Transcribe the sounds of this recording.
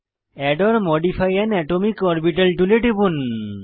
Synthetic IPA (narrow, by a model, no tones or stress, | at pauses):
ɛɖɔɾmɔɖipʰajɛnɛʈomikɔɾbiʈalʈuleʈibun